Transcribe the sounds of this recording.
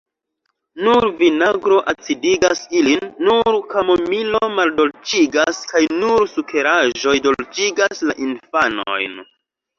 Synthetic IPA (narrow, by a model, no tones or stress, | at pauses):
nuɾvinaɡɾo̞ʔat͡sidiɡasilinːuɾkamomilomaldo̞lt͡ʃiɡaskajnuɾsukʰe̞ɾaʒo̞jdo̞lt͡ʃiɡaslaʔinfano̰jn